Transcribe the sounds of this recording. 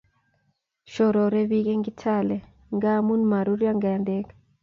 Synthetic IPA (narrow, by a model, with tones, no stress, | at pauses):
ʃɔ˨ɾɔ˨ɾɛ˦βi˦ɣɛ˦ŋɡi˦tʰalɛ˨ | ŋɡa˦mu˦nma˨ɾu˦ɾja˦ŋɡa˨a˨ndɛ˦kḁ